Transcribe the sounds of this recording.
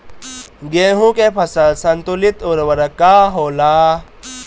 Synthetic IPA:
ɡeːɦũkepʰɐsəlsɐnt̪ʊlit̪ʊɾwəɾɐkaɦoːlaː

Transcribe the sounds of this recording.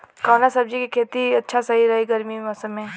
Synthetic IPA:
kaːnasɐb̚d͡ʒikikʰeːt̪iɐtːʃʰasɐɦiɾɐɦiɡɐɾmimɐsəmẽː

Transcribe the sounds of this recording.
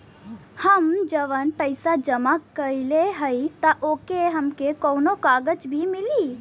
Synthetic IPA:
həmd͡ʒəʋənpəɪsad͡ʒəmakːəileɦəit̪aʔoːkeɦɐmkekoːnokaːɡət͡ʃbʱimɪliː

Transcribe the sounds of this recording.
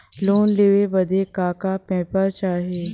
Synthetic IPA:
loːnleːʋebɐd̪ʱekaːkapɛ̃ːpəɾt͡ʃaːɦeː

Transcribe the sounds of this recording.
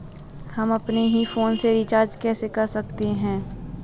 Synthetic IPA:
hɐmɐpneɦifoːnseɾɪt͡ʃaːɾd͡ʒkɛːsekɐɾsɐk̚t̪eɦɛ̃ː

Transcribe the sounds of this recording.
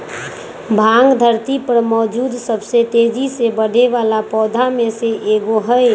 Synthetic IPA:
bʱãːŋɡd̪ʱəɾt̪ipəɾmɔːd͡ʒuːd̪səbset̪eːd͡ʒisebəɽ̤ʱeʋaːlapɔːd̪ʱamẽseʔeːɡoɦəe

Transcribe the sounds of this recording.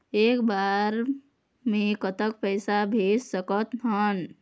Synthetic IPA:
eːkbaːɾ | mẽkət̪ək̚pɛjsabʱeːssəkət̪ɦən

